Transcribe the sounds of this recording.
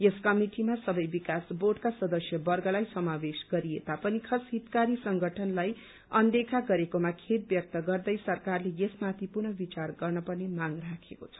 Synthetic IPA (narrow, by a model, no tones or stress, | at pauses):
jeskʌmiʈimasʌbʌjbikasboɖkasʌd̪ʌsjʌbʌrɡʌlajsʌmabesɡʌɾiet̪apʌnikʰʌsɦit̪kaɾisʌŋɡʌʈʰʌnlaj | ʌnd̪ekʰaɡʌɾekomakʰet̪̚bjʌk̚t̪ʌɡʌrd̪ʌjsʌrkarlejesmat̪ʰipurnʌbit͡sarɡʌrnʌpʌrnemaŋrakʰekot͡sʰʌ̥